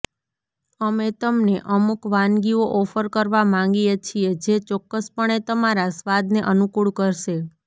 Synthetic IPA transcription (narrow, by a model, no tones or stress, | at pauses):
əmet̪əmneʔəmukʋãnɡioʔɔfəɾkəɾʋamãŋɡijet͡ʃʰied͡ʒet͡ʃɔkːəspəɳ̃et̪əmaɾasʋad̪neʔənukuɭkəɾʃe